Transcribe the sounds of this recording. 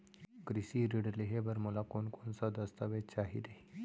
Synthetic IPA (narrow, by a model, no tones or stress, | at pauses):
kɾisiɾiɽəɾleɦeʋəɾməlakonkonsad̪əst̪aʋet͡ɕaɦḭd̪e